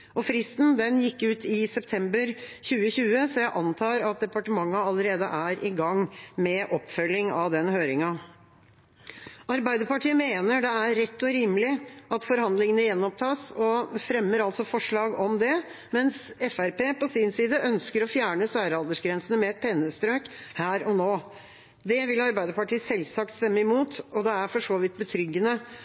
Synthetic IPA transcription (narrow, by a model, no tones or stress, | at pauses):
ʔɔfɾɪst̪n̩d̪ɛnjɪkːʉːt̪ʰɪsɛpt̪ʰɛmbəɾçʉːəɕʉːəsɔjæɪʔɑnt̪ʰɑːɾɑt̪̚d̪ɛpɑʈəmɑŋːɑɑləɾeːd̪əʔæɾʔɪɡɑŋmɛʔɔpːfœlːɪŋɑʋd̪ɛnhøːɾɪŋɑ | ʔɑɾbæɪd̪əɾpɑʈʰiːəmeːnəɖɛæɾɛt̪ːɔɾiːməlɪʔɑt̪fɔɾhɑnd̪lɪŋənəjɛnːɔp̚t̪ʰɑːsɔfɾɛmːəɾɑlt̪sɔfɔʂɭɑːɡɔmd̪ɛ | mɛnsɛfæɾpeːpɔsɪnsiːd̪əʔœnskəɾɔfjæːɳəsæːɾəɑld̪əʂɡɾɛnsənəmɛɛt̪̚pʰɛnːəst̪ɾøːkhæːɾɔnoː | d̪ɛʋɪlɑɾbæɪd̪əɾpɑʈʰiːsɛlsɑk̚t̪st̪ɛmːəɪmuːt̪ɔd̪ɛæɾfɔʂoːʋɪt̪̚ːbət̪ʰɾʏɡːənə